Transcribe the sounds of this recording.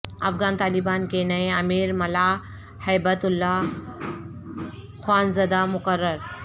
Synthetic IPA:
ɐfɡant̪aːlibankenaeəmiːɾməla | həjbət̪ulːa | xwaːnzəd̪amukəɾːəɾ

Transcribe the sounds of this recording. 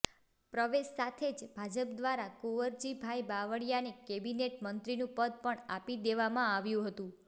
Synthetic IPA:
pɾəʋeʃsat̪ʰed͡ʒbʱad͡ʒəpd̪ʋaɾakoʋəɾd͡ʒibʱajbaʋəɽjanikebineʈmənt̪ɾinũpəd̪̚ʱpəɳa̰pid̪eʋamãaʋjũɦət̪ũ

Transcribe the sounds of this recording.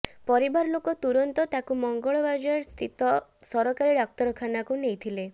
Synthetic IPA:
pɔɾibaɾlokɔt̪uɾɔnt̪ɔt̪akumɔŋɡɔɭɔbad͡ʒɔɾst̪ʰit̪ɔsɔɾɔkaɾiɖak̚t̪ɔɾɔkʰanakunejt̪ʰile

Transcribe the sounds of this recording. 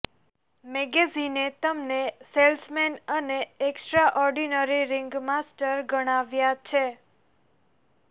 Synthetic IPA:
mɛɡezinet̪əmneselsmenəneeksʈɾaʔɔɾɖinəɾiɾɪŋɡmasʈəɾɡəɽ̃aʋjat͡ʃʰe

